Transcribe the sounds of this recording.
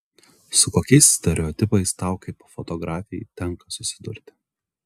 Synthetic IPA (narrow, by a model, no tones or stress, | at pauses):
sʊkoːkʲɛɪssʲt̪ʲɛɾʲɛɔt̪ʲɪpɐɪst̪ɑˑʊkɐɪpofɔt̪ɔɡɾɑːfʲɪjɪt̪ʲɛŋkɐsʊsʲɪd̪ʊɾʲt̪ʲɪ